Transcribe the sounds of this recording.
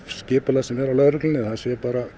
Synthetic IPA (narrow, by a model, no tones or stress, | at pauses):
scɪːpɪlasɛmɛɾawlœɾʏklɪnɪθaðsjɛɾpaːɾa